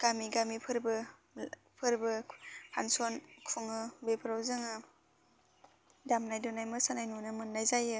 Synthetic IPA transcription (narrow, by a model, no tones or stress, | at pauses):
ɡ̥amiɡamipʰɯɾbɯ | pʰɯɾbɯpʰa̰nsɔnkʰuŋɯbepʰɯɾawzɯŋɯ | damnajdɔnajmɯsanajnunɯmɯnːajzajɯ